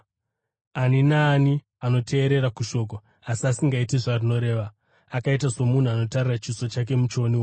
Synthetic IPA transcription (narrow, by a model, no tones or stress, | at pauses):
aninaːni | ano̞tʰe̞ːɾe̞ɾakuʃo̞ːk̬o | asiasiŋɡaitiʐarino̞ɾe̞ːʋa | akait̬aso̞mun̤uano̞tarirat͡ʃiso̞t͡ʃak̬e̞mut͡ʃo̞niwo